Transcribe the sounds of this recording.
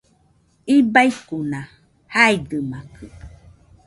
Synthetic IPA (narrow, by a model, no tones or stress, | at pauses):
ibaikunã | haidɨmakʰɨ